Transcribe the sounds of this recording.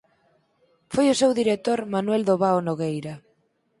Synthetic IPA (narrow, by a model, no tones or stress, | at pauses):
fojʊsewðiɾek̚t̪oɾmanwɛld̪oβaonoɣejɾɐ